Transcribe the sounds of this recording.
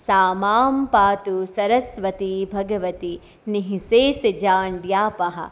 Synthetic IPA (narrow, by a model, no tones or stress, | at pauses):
saːmaːmpaːt̪usɐɾɐsʋɐt̪ibʱɐɡɐʋɐt̪i | niɦiseːsid͡ʒaːɳɖjaːpɐɦɐ̰